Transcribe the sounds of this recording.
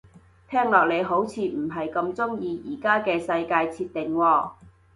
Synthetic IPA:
t̪ʰɛː˥ŋlɔː˨k̚le˨˧jɦo˨˥wt͡sʰiː˧m̩˨˩ɦɐ˨jkɐ˧mt͡sʊ˥ŋjiː˧jiː˨˩kaː˥kɛː˧sɐ˧jkaː˧jt͡sʰiː˧tt̪ɪ˨ŋwɔː˧

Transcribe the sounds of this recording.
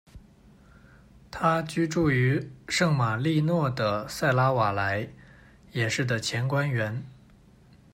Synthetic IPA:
t̪ʰa˥t͡ɕy˥ʈ͡ʂu˥˩y˧˥ʂɤ˥˩ŋma˨˩li˥˧nwɔ˥˩d̪ə˩sa˥˩ɪla˥wa˨˩la˧˥ɪ | jɛ˨˩ʂɻ̩˥˩d̪ə˩t͡ɕʰjɛ˧˥nkwa˥nɥɛ˧˥n

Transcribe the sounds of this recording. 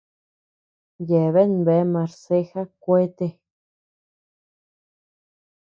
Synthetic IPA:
je˨βe˦nbe˨˦mã˨˧ɾse˦xa˦kʷe˦t̪e˧

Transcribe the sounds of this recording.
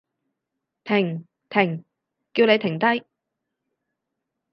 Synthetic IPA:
t̪ʰɪ˨˩ŋ | t̪ʰɪ˨˩ŋ | kiː˧wne˨˧jt̪ʰɪ˨˩ŋt̪ɐ˥j

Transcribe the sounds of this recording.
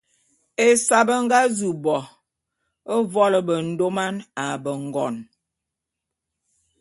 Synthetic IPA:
e˨sa˨bə˦ŋ̩˦ɡa˦zu˨bɔ˨ | ə˦vɔ˦lə˨bə˨n̩˨˦do˦ma˦na˨bə˨ŋ̩˨ɡɔ˨n

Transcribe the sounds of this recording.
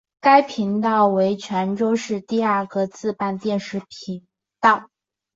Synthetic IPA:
ka˥ɪpʰi˧˥ŋt̪ɑ˥˩ʊwe˧˥ɪt͡ɕʰɥɛ˧˥nʈ͡ʂo˥ʊʂɻ̩˥˧t̪i˥˧a˥˩kɤ˧˥t͡sʰɹ̩˥˧pa˥˧nt̪jɛ˥˧nʂɻ̩˧˥˩pʰi˧˥ŋ | t̪ɑ˥˩ʊ

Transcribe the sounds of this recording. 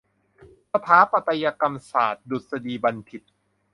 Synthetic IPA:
sa˧p̪ʰaː˦˥pa˧t̪a˧jaː˧ka˧msa̰ː˨˩t̪̚du˨˩t̪̚sa˧diː˧ba˧nt̪ʰi˨˩t̪̚

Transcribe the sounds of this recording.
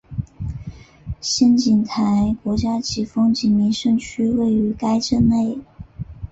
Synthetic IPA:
ɕjɛ˥nt͡ɕi˨˩nt̪ʰa˧˥ɪkwɔ˧˥t͡ɕja˥t͡ɕi˨˩fɤ˥ŋt͡ɕi˨˩mi˧˥nʂɤ˥˧ŋt͡ɕʰy˥we˥˩ɪy˧˥ka˥ɪʈ͡ʂə˥˧nne˥˩ɪ

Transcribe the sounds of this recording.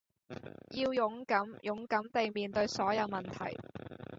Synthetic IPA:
jiː˧wjʊ˨˥ŋkɐ˨˥mjʔʊ˨˥ŋkɐ˨˥mt̪e˨jmiː˨nt̪ɵ˧ɥsɔː˨˥jɐ˨˧wmɐ˨nt̪ʰɐ̰˨˩j

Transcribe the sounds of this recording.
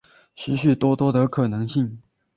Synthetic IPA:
ɕʰy˧˥ɕy˥˩t̪wɔ˥t̪wɔ˥d̪ə˨kʰɤ˨˩nɤ˧˥ŋɕi˥˩ŋ

